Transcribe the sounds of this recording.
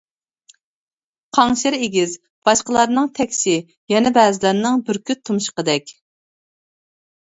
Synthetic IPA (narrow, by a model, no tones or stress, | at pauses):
qʰɑŋʃɪɾeɡʲɪz | b̥ɑʃqəlˠɑɾnɨŋt̪ʰɛkʲsɪ | jɛnɛbɛːzɪlæɾnɨŋbyɾkʲyt̪ʰumʃqəd̪ɛkʲ